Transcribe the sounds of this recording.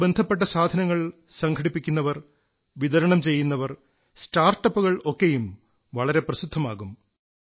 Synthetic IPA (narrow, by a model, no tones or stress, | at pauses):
be̞nd̪ʱɐpːe̞ʈ̬ːɐsaːd̪ʱɐnɐŋːɐɭ | sɐŋkʰɐɽipːikʲːunːɐʋɐr | ʋid̪ɐɾɐɳɐmt͡ɕe̞jːunːɐʋɐr | staːrʈːɐpːuɣɐɭo̞kːe̞jum | ʋɐɭɐɾe̞prɐsid̪ʱːɐmaːɣum